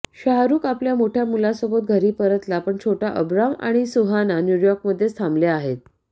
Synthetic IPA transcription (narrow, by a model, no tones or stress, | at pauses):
ɕaɦaɾuːkapljamoʈʰjamulasobot̪̚ɡʱəɾiːpəɾət̪lapəɳt͡ɕʰoʈʰaʔəbɾama̰ɽ̃isuɦananjujɔɾkməd̪ʱːjest̪ʰamleaɦet̪̚